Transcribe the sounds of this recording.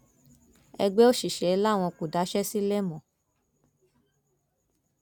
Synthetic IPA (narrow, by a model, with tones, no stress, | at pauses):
ɛ̰˧ɡ͡be˦o˦ʃi˨ʃɛ˨˦i˧la˦˨w̃ɔ̃˧ku˨da˨˦ʃɛ˦si˦le˦mɔ̃˨